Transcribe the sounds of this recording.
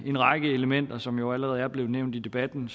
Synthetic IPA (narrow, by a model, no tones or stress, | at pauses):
e̝nʁɑ̈ɡ̥əe̝ləmen̰d̥ɐsɒ̽mjoʊæləʁɛːð̞̩ˠæɐb̥le̝ʊneʊ̰nd̥id̥e̝b̥æd̥n̩